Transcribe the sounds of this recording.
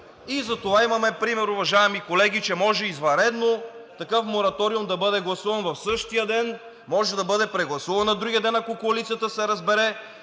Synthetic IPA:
izɐt̪ovaimɐmɛpɾimɛɾuvɐʒaɛmikolɛɡ̟it͡ʃɛmɔʒɛizvɐɾɛd̪not̪ɐkɤfmoɾɐt̪ɔɾiumd̪ɐbɤd̪ɛɡlˠɐsuvɐnvɐfsɤʃt̪ijəd̪ɛn | mɔʒɛd̪ɐbɤd̪ɛpɾɛɡlˠɐsuvɐnɐd̪ɾuɡʲiəd̪ɛnɐkokoɐlit̪sijət̪əsɛɾɐzbɛɾɛ

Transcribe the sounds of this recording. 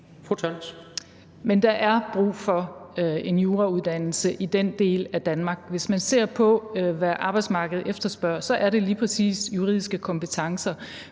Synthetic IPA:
fut͡sʰɑns | mend̥ɑ̈ʔæɐb̥ʁṵːfɒ̽e̝njo̝ːʁɑuð̞ˠd̥æn̰l̩səʔid̥end̥e̝̰ːlæd̥ænmɑ̈ɡ̥ʋe̝smænse̝̰ɐ̰pʰɒ̽ʋæʔɑ̈ːb̥ɑ̈ɪd̥smɑ̈ːɡ̥əð̞̩ˠefd̥ɐsb̥ɶɐ̰sɒ̽ʔæɐɾe̝liːpʰʁɛsḭːsjuʁḭð̰ˠisɡ̥əkʰɒ̽mpət͡sʰɑ̈ŋsɐ

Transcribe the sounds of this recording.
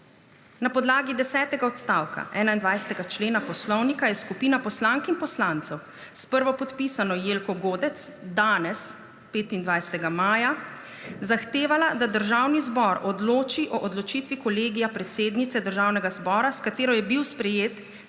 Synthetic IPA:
napɔd̪laːɡid̪ɛsɛːt̪ɛɡaɔt̪st̪aːwka̰ʔɛːnaind̪ʋajsɛ̥t̪ɛɡat͡ʃleːnapɔslɔwnikajɛskupiːnapɔslaːŋkinpɔslant̪sɛw | spəɾʋɔpɔt̪pisanɔjeːlkɔɡoːd̪ɛt̪sd̪aːnɛs | peːt̪ind̪ʋajsɛ̥t̪ɛɡamaːja | zaxt̪eːʋalad̪ad̪əɾʒawnizbɔɾɔd̪loːt͡ʃiʔɔʔɔd̪lɔt͡ʃit̪ʋikɔleːɡijapɾɛt̪seːd̪nit̪sɛd̪əɾʒawnɛɡazbɔːɾaskat̪eːɾɔjɛbiwspɾɛjeːt̪

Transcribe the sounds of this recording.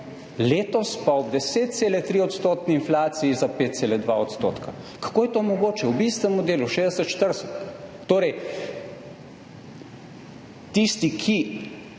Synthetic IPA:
leːt̪ɔspaɔbd̪ɛseːt̪̚t̪seːlɛt̪ɾiɔt̪st̪oːt̪niinflaːt̪siizapeːt̪t̪seːlɛd̪ʋaɔt̪st̪o̰ːt̪ka | kḁkoːjɛt̪oːmɔɡoːt͡ʃɛwbist̪ɛmɔd̪eːluʃeːzd̪ɛsɛt̪ʃt̪əɾsɛt̪ː | oːɾɛj | t̪ist̪ikʰi

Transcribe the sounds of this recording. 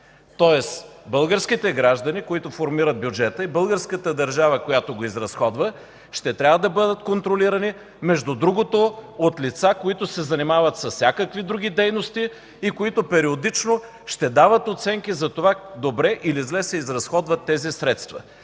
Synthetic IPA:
t̪ɔɛsbɤlˠɡəɾskʲit̪ɛɡɾaʒd̪ənikoit̪ofoɾmiɾəd̪̚bʲjud͡ʒɛt̪əibɤlˠɡəɾskət̪əd̪ɐɾʒavəkojat̪oɡoizɾɐsxɔd̪və | ʃt̪ɛt̪ɾʲavəd̪ɐbɤd̪ət̪kont̪ɾoliɾɐni | mɛʒd̪ud̪ɾuɡot̪oot̪lit̪sakoit̪osɛzɐnimavət̪sɐssʲakəkvid̪ɾuɡ̟ʲid̪ɛjnost̪iː | koit̪opɛɾiod̪it͡ʃno | ʃt̪ɛd̪avət̪ot̪sɛŋk̟izɐt̪ovad̪obɾɛʔilizlɛsɛizɾɐsxɔd̪vət̪ːɛzisɾɛt̪st̪vɐ̰

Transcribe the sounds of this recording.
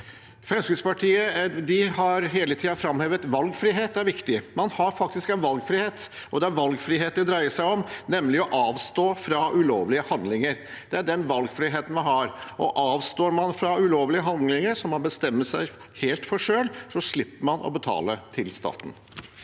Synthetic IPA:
fɛmskɪspɑʈʰiːəd̪ɪɦɑɾɦeːlət̪ʰiːɑfɾɑmheːʋət̪ʋɑlɡfɾiɦeːt̪̚d̪ɛæɾʋɪkt̪ɪmɑnhɑɾfɑk̚t̪ɪskɛnʋɑlɡfɾiheːt̪ | ʔɔd̪ɛæɾʋɑlɡfɾiːɦeːt̪̚d̪ɛd̪ɾæɪəʂæɪɔmnɛmlɪɔʔɑːʋst̪oːfɾɑʉloːʋlɪəhɑnd̪lɪŋəɾ | d̪̥ɛæɖɛnʋɑlɡfɾiɦeːt̪n̩mɑnhɑɾɔ̰ʔɑːʋst̪oːɾmɑnfɾɑʉloːʋlɪəɦɑnd̪lɪŋəɾsɔmɑnbəst̪ɛmːəsæɪ | heːlt̪fɔʂøːlsɔʂlɪpːəɾmɑnʔɔ̰bət̪ʰɑ̰ːlət̪ʰɪlst̪ɑ̰ːt̪n̩

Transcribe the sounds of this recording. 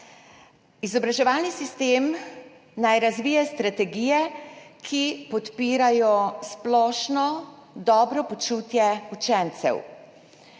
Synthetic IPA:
izɔbɾaʒɛʋaːlnisist̪eːm | najɾazʋiːjɛst̪ɾat̪ɛɡijɛkʰipɔt̪piːɾajɔsplɔːʃnɔ | d̪ɔːbɾɔpɔt͡ʃuːt̪jɛut͡ʃɛnt̪sɛ̰w

